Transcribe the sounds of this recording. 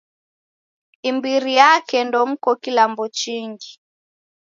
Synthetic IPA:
imbiɾijakɛndɔm̩kɔkilambɔt͡ʃiŋɡi

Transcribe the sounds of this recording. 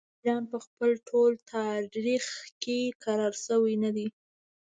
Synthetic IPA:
d͡ʒɑnpəxpəlʈʰolt̪ʰɑɾɾixkekaɾɑɾsəwijnad̪i

